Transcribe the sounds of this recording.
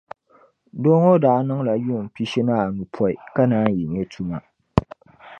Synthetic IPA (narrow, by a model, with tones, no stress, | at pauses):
doː˦ŋo˦daː˨˦nɨ˦ŋ˦la˨ju˦˨m˨pi˦ʃi˦na˦a˨nu˨pʰɔ˦i˨ka˦naː˦ji˨ɲɛ˦tʰu˦ma˨